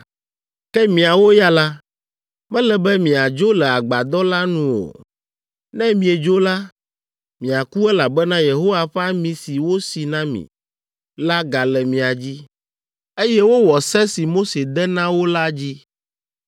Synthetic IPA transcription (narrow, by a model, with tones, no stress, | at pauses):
kɛ˦mĩ˨a˨wo˦ja˦la˦ | mɛ̃˦lɛ˨bɛ˦mĩ˨a˨d͡ʒo˦lɛ˨a˨ɡ͡ba˨d̪ɔ˦la˦nũ˦wo̰˨ | nɛ̃˦mĩ˨e˨d͡ʒo˦la˦ | mĩ˨a˨ku˦ɛ˦la˨bɛ˦nã˦je˨ɦo˦wa˨ɸɛ˦a˦mĩ˨si˨wo˦si˨nã˦mḭ̃˨ | la˦ɡa˨lɛ˨mĩ˨a˨d͡ʑi˦ | e˦jɛ˦wo˦wɔ˨sɛ˦si˨mo˦se˨d̪ɛ˦nã˦wo˦la˦d͡ʑi˦